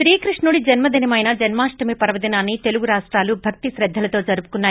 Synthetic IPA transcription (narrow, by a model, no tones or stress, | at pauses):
ɾiːkɾiʂɳuːɽid͡ʒɐnmɐd̪inɐmɐjnɐd͡ʒɐnmaːʂʈɐmipɐɾɐʋɐd̪inaːnːit̪e̞luɡuɾaːʂʈɾaːlubʱɐk̚t̪iʃɾɛd̪ʱːɐlɐt̪o̞ːd͡ʒɐɾupu̥kunːaː